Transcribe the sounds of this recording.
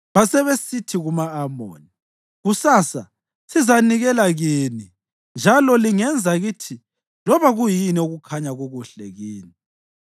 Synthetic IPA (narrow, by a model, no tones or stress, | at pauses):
βasɛβesitʰiɣumaːmo̰ːni | ɣusaːsa | sizaniɣɛlaɣiːni | nd͡ʒʱalɔliŋɛnd͡zʱaɣiːtʰi | lɔβaɣujinɛuɣukʰaɲaɣuɣuɬɛɣiːni